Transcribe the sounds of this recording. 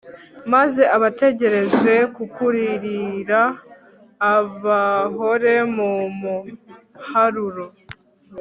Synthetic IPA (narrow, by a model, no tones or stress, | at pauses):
maze̞aβate̞ɟe̞ɾe̞ze̞kukuɾiɾiɾaː | βaɦo̞ɾe̞mumu | haɾuɾo